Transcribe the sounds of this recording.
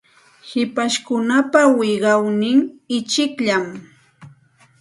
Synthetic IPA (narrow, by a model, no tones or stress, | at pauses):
hɪpaʃkʊnapawɪɢɑwnɪŋɪt͡ʃɪkʎam